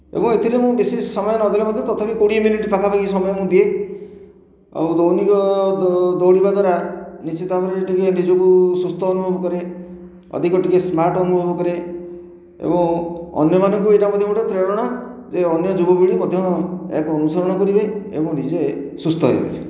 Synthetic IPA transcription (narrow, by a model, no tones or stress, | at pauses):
ḛbɔŋet̪ʰiɾemũbesisɔmɔjɔnɔd̪ʱilemɔd̪ʱjɔt̪ɔt̪ʰapikoɽimjuniʈipakʰabakisɔmɔjɔmũd̪ie | a̰wd̪ownikɔ | d̪owɽibad̪ʱwaɾanit͡ʃit̪abɔɾiʈikenid͡ʒɔkusust̪ʰɔːnubʱɔbɔkɔɾe | ɔ̰d̪ʱikɔʈikesmaɾʈɔnubʱɔbɔkɔɾe | ḛbɔŋɔ̰njɔmanɔŋk̬ueʈamɔd̪ʱjɔmũʈepɾeɔɽɔɽ̃ad͡ʒeɔnjɔd͡ʒubɔbiɽimɔd̪ʱjɔḛkɔnusɔɾɔɽ̃ɔkɔɾibeḛbɔ̃nid͡ʒe | sust̪ʰɔɦbḛ